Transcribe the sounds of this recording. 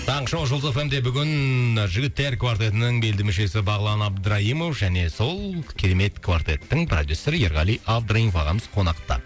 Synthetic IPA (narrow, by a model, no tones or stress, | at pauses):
t̪ʰɑəɴʃɑʒolˠzofemd̪e̞bʏɡʲɪnʒʏɡʲɪt̪ːe̞rkvart̪e̞t̪ɪnɪŋbe̞ld̪ɪmɪʃe̞sɪbɑʁəlˠɑnɑbd̪əɾɑɦimo̞fʒæne̞so̞lˠkʲʰeɾe̞me̞t̪kʰvart̪e̞̰t̪ːɪŋpʰrod̪ʲjusːe̞ɾəjeɾʁɑlijʔavd̪rainfɑʁɑməz̥qʰo̞nɑqt̪ə̰